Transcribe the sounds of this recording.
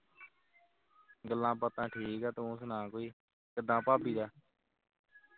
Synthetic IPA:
ɡəlːãːpət̪ãːʈʰiːkaːt̪oʊ̃ːsnãːkoːiː | kəd̪ãːpaːpiːd̪aː

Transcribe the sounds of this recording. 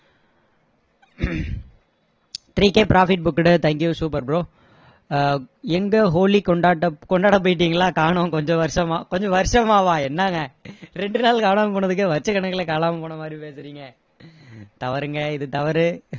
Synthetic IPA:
t̪ɾiːkːeːpɾaːfɪʈ̚bʊkːɽɯt̪ɐŋkjusuːpɐɾbɾoː | ɛŋɡɐɦoːlikɔɳɖaːʈːɐkɔɳɖaːɽɐp̬ojɪʈ̬ːiːŋɡɐlãːkaːɳʊ̃kɔɲd͡ʒɔ̃ʋɐɾɪʂɐmaːkɔɲd͡ʒɔ̃ʋɐɾɪʂɐmaːʋaːɛnːaːŋɡɐɾɛɳɖɯnaːlkaːlaːmɐpoːɳɐðɯk̬ːɯʋɐɾt͡ʃːɐkːɐɳɐkːɐlɐkaːlaːmɐpoːɳɐmaːd̪ɾipeːsɯɾiːŋɡɐ | t̪ɐʋɐɾɯŋɡɐɪðɯt̪ɐʋɐɾɯ

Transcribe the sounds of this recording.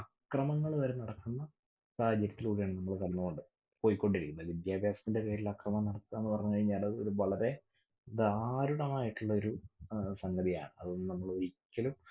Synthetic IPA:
ɐkrɐmɐŋːɐɭʋɐɾenɐɽɐkːunːɐ | saːhɐd͡ʑːɐɾjɐt̪ːilkuːɽijaːɳɨnɐmːɐɭkɐɽinːukoɳɖɨ | po̞ːjikːo̞ɳɖiɾikʲːunːɐʋid̪jaːbʱjaːsɐ̥t̪inde̞pe̞ːɾilɐkrɐmɐmnɐɽɐt̪ːaenːɨpɐrɐɲːukɐɻiɲːaːlɐðɨoɾuʋɐɭɐɾe̞ | d̪aːɾuɽɐmaːjiʈːuɭːɐo̞ɾusɐŋɡɐd̪ija̰ːɳɨɐ̰ðːnɐmːɐɭoikʲːɐlum

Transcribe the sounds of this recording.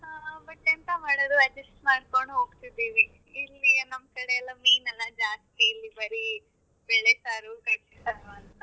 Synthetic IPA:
ɦaːbɐʈːent̪ɐmaːɽod̪uɐd͡ʒesʈmaːɽkoɳɖuɦoːɡt̪id̪iːʋi | ilːinɐmɐkɐɽeɛlːɐmiːnɐlːɐd͡ʒaːst̪iːlːibɐɾi | bɛɭːesaːɾukɐt͡ʃːisɐnuɐnt̪ɐ

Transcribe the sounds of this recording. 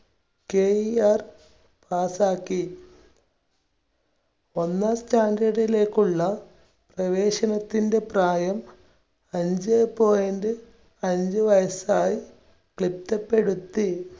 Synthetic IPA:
keːiaːr | paːsaːkːi | o̞nːaːstaːŋɡeɽile̞ːkːuɭːɐ | prɐʋeːɕɐnɐt̪ːinde̞praːjɐm | ɐɲd͡ʑɨepːo̞ːendɨ | ɐɲd͡ʑɨʋɐjɐsaːji | kɭip̚t̪ɐpːe̞ɽut̪ːi

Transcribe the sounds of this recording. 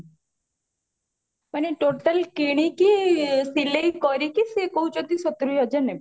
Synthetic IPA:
mɐniʈoʈəlkiɽ̃ikisileikɔɾikisekɔɦut͡ʃɔt̪isɔt̪ɾujɔd͡ʒəne

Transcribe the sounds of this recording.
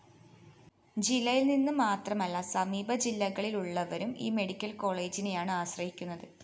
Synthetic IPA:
d͡ʑilːɐjilninːɨmaːt̪rɐmɐlːɐsɐmiːbɐd͡ʑilːɐɣɐɭiluɭːɐʋɐɾumḭːme̞ɽikʲːɐlko̞ːɭe̞ːd͡ʑinejaːɳɨaːɕrɐhikʲːunːɐðɨ

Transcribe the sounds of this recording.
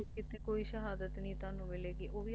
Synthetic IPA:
kɪt̪eːkoːiːʃəɦaːd̪ət̪nĩːt̪ʊaːnũːmɪleːɡiːʔoːʋiː

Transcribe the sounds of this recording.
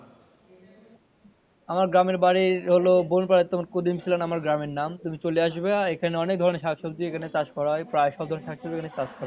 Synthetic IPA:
amaɾɡɾameɾbaɾiɾɦolobonpaɾet̪omaɾkod̪imt͡ɕʰilanamaɾɡɾameɾnamt̪umit͡ɕoleaʃbeaekʰaneɔnek̚d̪ʱɔɾoneɾʃakʃod̪iekʰanet͡ɕaʃkɔɾaepɾaeʃɔbd̪ʱɔɾoneɾʃakʃoekʰanet͡ɕaʃkɔɾa

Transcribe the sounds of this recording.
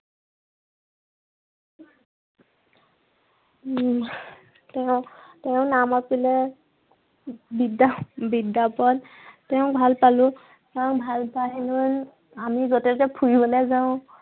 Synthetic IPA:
tɛʊ̃tɛʊ̃namapilɛ | bidabidːapɔl | tɛʊ̃bʱalpalʊ | kɛʊ̃bʱalpaɦilʊn | amiɡɔtɛtɛpʰuibɔlezaʊ̃

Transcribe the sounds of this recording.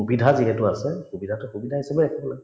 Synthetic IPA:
ubidʱaziɦɛtʊasɛxubidʱatɔxubidʱaɦisɛbɛɛkʰɛbɔla

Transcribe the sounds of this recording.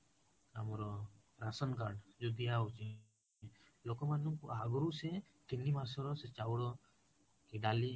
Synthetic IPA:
a̰mɔɾɔ | ɾasɔnkaɾɖd͡ʒud̪ijaut͡ʃi | lokɔmanuŋkɦaɡuɾuse | t̪inːimas̬ɔɾɔset͡ʃawɽɔ | kiɖali

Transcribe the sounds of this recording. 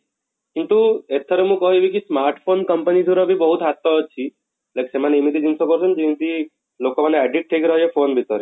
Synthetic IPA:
kint̪uet̪ʰːəɾeɦũkəɦũebikismaɾʈfʰonkəmpənid̪ʱuɾabʱibəɦut̪ɦat̪ːɔɦɔt͡ʃʰi | leksemaneimit̪ʰid͡ʒinsɔkɔɾsɔnd͡ʒimit̪i | lokomaneɛɖiʈ̚ʈʰekɾəɦefonbʱit̪əɾe

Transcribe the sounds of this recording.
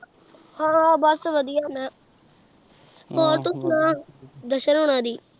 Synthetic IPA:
ɦãːbɔsʋəd̪ijaːnaː | poːɾt̪ʊsnãːd̪əʃənɦʊɽãːd̪iː

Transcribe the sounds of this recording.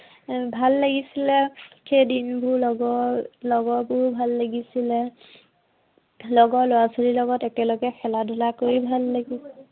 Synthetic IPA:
bʱalːaɡisilɛkʰedinbʱʊlɔɡɔlɔɡɔbɔɦubʱalːaɡisilɛ | lɔɡɔlɔwasoɹilɔɡɔtɛtɛloɡɛxɛladʱulakoɹibʱalːaɡisɛ

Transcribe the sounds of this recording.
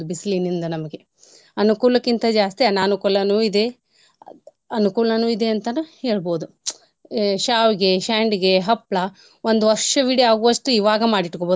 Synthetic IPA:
ubislinind̪ɐnɐmɐɡe̞ | ɐnukuːlɐkːint̪ɐd͡ʒaːst̪iɐnaːnukuːlɐnuːid̪e | ɐnukuːɭɐnuːid̪e̞ɐnt̪ɐnuhe̞ːɭboːd̪u | ʃaːʋiɡe̞ʃaːɳɖiɡe̞ɦɐpːɭɐ | ʋond̪uʋɐɾʂɐʋiɽiaːɡuɐʂʈuiʋaːɡɐmaːɽiʈkobo

